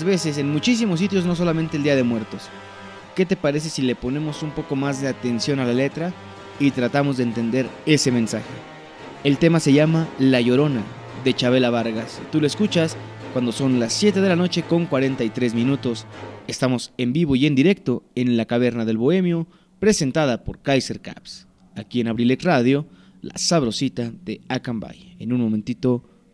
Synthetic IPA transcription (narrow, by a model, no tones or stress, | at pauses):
zβe̞se̞s̬e̞nmut͡ʃis̬imos̬it̪̬jo̞zno̞s̬o̞lament̪eld̪iað̞emwe̞ɾt̪o̞s | ke̞t̪e̞paɾe̞s̬e̞sile̞po̞ne̞mo̞sumpo̞ko̞mazðe̞at̪e̞nsjo̞nalale̞t̪ɾa | it̪ɾat̪amo̞zðeːnt̪e̞nd̪e̞ɾe̞se̞mẽ̞nsaxe̞ | elt̪e̞mase̞ʝamalaʝo̞ɾo̞na | ðe̞t͡ʃaβ̞e̞laβaɾɣasit̪uloeskut͡ʃas | kwand̪o̞so̞nlasːje̞t̪̬eðe̞lano̞t͡ʃe̞ko̞ŋkwaɾe̞nt̪ait̪ɾe̞zmĩnut̪o̞se̞st̪amo̞sembiβ̞oie̞nd̪iɾe̞k̚t̪o̞e̞nlakaβ̞e̞ɾnaðe̞lβo̞e̞mjo̞ | pɾe̞se̞nt̪aðapo̞ɾkajseɾka̰ps | akie̞naβɾilekraðjo̞ | la̰saβɾo̞sit̪aðe̞akamba̰jenunmo̞ment̪it̪o̞